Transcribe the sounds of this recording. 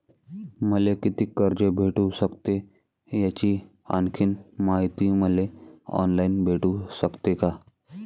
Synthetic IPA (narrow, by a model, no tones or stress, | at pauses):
məlekit̪iːkəɾd͡ʑebʱeʈusəkt̪e | jat͡ɕiː | a̰nkʰiːnmaɦit̪iːməleɔ̰nlainbʱeʈusəkt̪eka